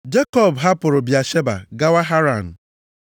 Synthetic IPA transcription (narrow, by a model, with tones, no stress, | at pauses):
d͡ʒe˦kɔ˦˨bɦa˦pʊ˨ɾʊ˨bja˨ʃe˦ba̰˨ɡa˦wa˦ɦa˦ɾa˨n̩˨